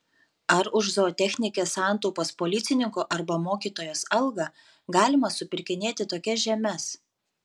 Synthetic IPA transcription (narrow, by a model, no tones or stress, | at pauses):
ɐɾʊʃzoːt̪ʲɛxʲnʲɪkʲeːsɑːˑnt̪ɔʊpoːspoːlʲɪt̪sʲɪnʲɪŋkoːʔɐɾbɐmoːkʲiːt̪oːjoːsɐlˠɡɐ | ɡɑːlʲɪmɐsʊpʲɪɾʲkʲɪnʲeːt̪ʲɪt̪oːkʲɛʒʲɛmʲɛs